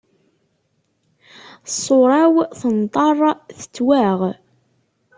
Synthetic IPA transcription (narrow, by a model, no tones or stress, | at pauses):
sˤːoɾˤɑwθənt̪ˤɑrˤθə̥t͡sːwæʁ